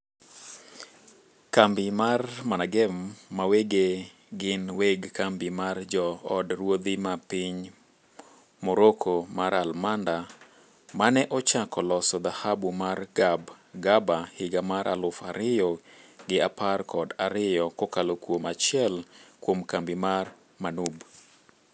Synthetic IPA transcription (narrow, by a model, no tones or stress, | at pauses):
kambɪmarmanaɡɛmːaweɡe | ɡɪnweɡkambimard͡ʒɔːdɾwod̪imapɪɲ | moɾokʰomaɾalmanda | manɛʔɔt͡ʃakɔlɔsɔd̪ahabumarɡab | ɡabahɪɡamaɾʔa̰lʊfaɾɪjɔɡɪaparkʰɔdaɾɪjɔkokalokwomat͡ʃjɛlkwomkambimar | manub